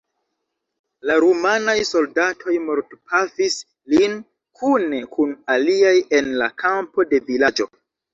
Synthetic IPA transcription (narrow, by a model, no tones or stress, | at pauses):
laɾumanajso̞ldatʰo̞jmoɾtpʰafis | lin | kʰune̞kʰunaliaje̞nlakʰampo̞de̞vilad͡ʒo̞̰